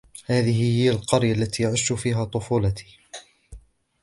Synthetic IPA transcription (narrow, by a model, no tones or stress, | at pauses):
haːðɪɦɪhɪjːalqɑɾjalːat̪iːjaʕɪʃːʊfiːɦaːt̪ˤʊfuːlɑt̪ʰi̥ː